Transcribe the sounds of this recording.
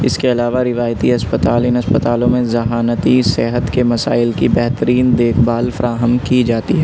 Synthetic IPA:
ɪskeɐlaːʋaɾɪʋaːjt̪iɐspət̪aːlɪnɐspət̪aːlõmẽzɐɦaːnət̪iseɦət̪kemɐsa̰ːɪlkibɛɦt̪əɾiːnd̪eːkʰbaːlfɐɾaːɦəmkid͡ʒaːt̪iɦɛː

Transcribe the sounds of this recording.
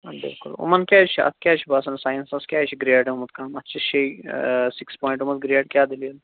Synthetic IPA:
bɪ̰lkʊ̰lṵmɐnkʲjaːt͡ʃʰiɐ̰t̪ʰkʲjaːt͡ʃʰibasɐnsaːjənsɐskʲjaːt͡ʃʰiɡɾeːɖeumɐt̪̚kaːmɐt̪ːt͡ʃʰɐʃʰejsikspɔːj̃ɳʈumɐt̪̚ɡɾeːɖkʲjaːd̪iljɐl

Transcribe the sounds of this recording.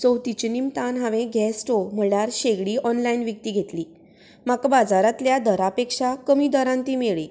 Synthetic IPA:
t͡səwt̪it͡ɕinimt̪anɦaʋẽɡʱɛsʈom̤əɭjaɾɕeɡɽiːʔɔnlainʋjək̚t̪iːɡʱet̪liː | makbad͡zaɾat̪ljad̪əɾapekʂakəmiːd̪əɾãnt̪iːmeɭi

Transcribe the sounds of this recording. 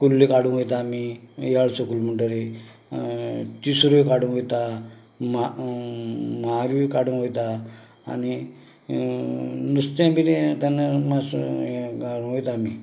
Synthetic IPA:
kulːikaɽ̤ũɦojt̪aːmijaɭsokulm̤əɳʈəɾe | t̪isuɾikaɽũnɦojt̪a | ma | maɾuikaɽũnɦojt̪a̰ː | ni | nust̪amit̪et̪anːəmaskaɽũɦojt̪aːmḭ

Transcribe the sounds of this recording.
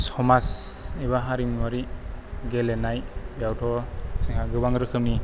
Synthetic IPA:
sɔmas | ibaɦaɾimɔɾiɡelenajjawtʰɔsiŋhaɡɯbaŋɾɯkʰɯp̚ni

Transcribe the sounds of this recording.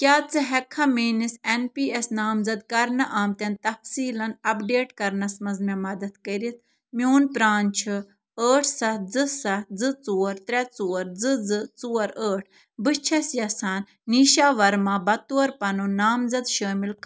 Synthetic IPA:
kʲaːt͡sɨɦɛkʰːɐmeːnisenpiːesnaːmzɐd̪̚kɐɾnɐʔaːmt̪ʲɐnt̪ɐfsiːlɐnɐpɖeːʈkɐɾnɐsmɐzmɛmɐd̪ɐt̪kɐɾit̪̚ʰ | mioːnpɾaːnt͡ʃʰɨ | əːʈʰsɐd͡zɨsɐd͡zɨt͡suːɐɾt̪ɾɛt͡suːɐɾd͡zɨd͡zɨt͡suːɐɾəːʈʰ | bɨt͡ʃʰɐsjɐsaːnːiːʃaːʋɐɾmaːbɐt̪uːɐɾpɐnunaːmzɐd̪ʃəːmilk

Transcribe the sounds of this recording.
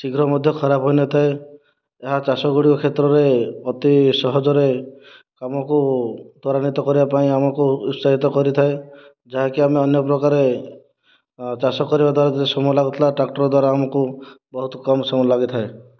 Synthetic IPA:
siɡɾɔmɔd̪ʱjɔkʰɔɾabʱɦɔjnɔt̪ʰae | eɦat͡ʃasɔɡuɽikɔkʰet̪ɾɔɾeɔt̪isɔɦɔd͡ʒɔɾe | kamɔkud̪ʱɔɾanit̪ɔkɔɾibapaĩamɔkuussaɦit̪ɔkɔɾit̪ʰae | d͡ʒaɦekiameɔnjɔpɾɔkaɾe | t͡ʃasɔkːɔɾibad̪waɾad͡ʒet̪esɔmlaɡɔt̪ʰlaʈɾakʈɔɾɔd̪waɾaːmɔkubɔɦut̪ɔkɔmsɔmɔlaɡit̪ʰae

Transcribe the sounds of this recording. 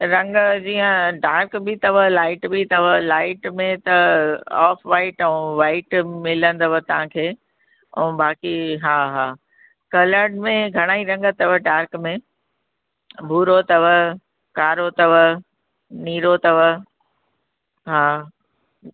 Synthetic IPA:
ɾɐ̃ŋɡd͡ʑiːə̃ɖaːɾkbʱɪt̪ɐʋəlaːɪʈbit̪ɐʋəlaːɪʈmẽt̪ɐɔːfʰʋaːɪʈɛ̃ʋaːɪʈmɪlə̃nd̪əʋət̪ɐʋ̤ãkʰeː | ɛ̰̃ːbaːkiɦaːɦaː | kɐləɾɖmẽɡʱɐɽ̃aːiɾɐ̃ŋɡət̪ɐʋəɖaːɾkmẽ | bʱuːɾot̪ɐʋə | kaːɾot̪ɐʋə | niːɾot̪ɐʋə | ɦaː

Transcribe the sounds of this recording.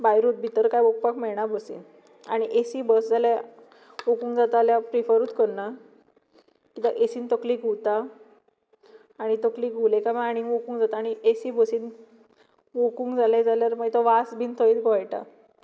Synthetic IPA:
bajɾuːt̪̚bʱit̪əɾkajʋok̚pakmɛɭɳabəsḭːn | a̰ɽ̃iʔesiːbəsd͡zalja | ʋokuːŋɡd͡zat̪aljapɾifəɾuːt̪kəɾna | kit̪aʔesiːnt̪ɔkliːkuwt̪a | ɽ̃it̪ɔkliːkulekamaaɽ̃iŋʋokuːŋɡd͡zat̪aːɽ̃iʔesiːbəsiːn | ʋokũːŋɡd͡zaled͡zaljaɾmaɡjt̪ɔʋasbʱint̪ʰəit̪ɡojʈa̰

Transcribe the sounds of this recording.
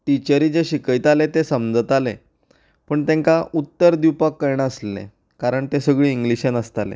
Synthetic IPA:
ʈit͡ɕəɾid͡zeɕikəjt̪alet̪esəmd͡zət̪ale | pəɳt̪ẽŋkaʔut̪ːəɾd̪iwpakːəjɳ̃əslḛ̃ | kaɾəɳt̪esəɡɭiːiŋɡliɕjanəst̪alḛ

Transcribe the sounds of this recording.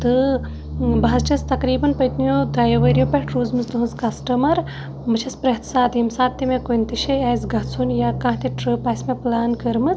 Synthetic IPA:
t̪ɨ | bɐɦɐzt͡ʃʰɐst̪ɐkɾiːbɐnpɐjt̪nijoːd̪ɾaːjɐʋɐːɾijoːpeɦʈɾuːzmɨst̪ɨɦɐnzkɐsʈɐmɐɾ | mɨt͡ʃʰɐspɾɐɦt̪ʰsaːt̪imsaːt̪ːimẽkojnt̪iʃeaːjzɡʱɐt͡sʰunjaːkãːɦt̪iʈɾɨpaːsʲmẽplaːnkɐɾmɨt͡s

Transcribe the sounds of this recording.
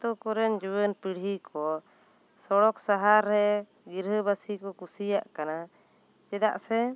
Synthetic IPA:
t̪ɔkɔɾɛnd͡ʒuwənpiɽɦikʰɔ | sɔɽɔksaɦaɾːɛ | ɡiɾɦəbasikɔkusijaʔkana | t͡ʃɛd̪aʔsɛ

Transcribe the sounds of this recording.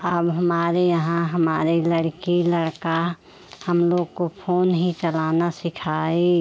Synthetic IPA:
əbɦəmaːɾejəɦãɦəmaːɾiləɽkiləɽka | həmloːɡkopʰoːnɦit͡ʃəlaːnasɪkʰaːe

